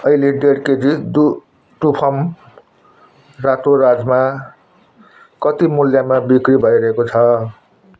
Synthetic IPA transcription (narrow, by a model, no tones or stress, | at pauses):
ʌileɖeɽked͡zid̪u | ʈupʰʌm | rat̪oɾad͡zma | kʌt̪imuljamabikɾibʱʌjɾʌɦekot͡sʰʌ